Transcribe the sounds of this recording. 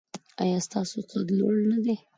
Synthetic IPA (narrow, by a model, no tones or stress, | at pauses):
ɑ̰jɑst̪ɑsot͡sad̪lo̰ɽnad̪e